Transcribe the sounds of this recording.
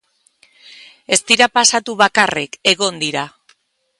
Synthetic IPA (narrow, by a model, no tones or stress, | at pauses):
e̞st̪iɾapasat̪uβakareke̞ɣo̞nd̪iɾa